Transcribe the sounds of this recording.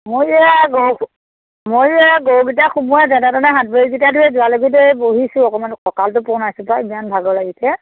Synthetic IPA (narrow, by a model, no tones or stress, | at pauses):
mojɛɡow | mojɛɡowɡit̬axumuadadatɔnɛɦat̚beɹiɡitadʰuɹɛzʊaloɡitɛboɦisʊ̃ɔkɔmankʰɔkaltʊpɔnajsupabianbʱaɡɔlaɡisɛ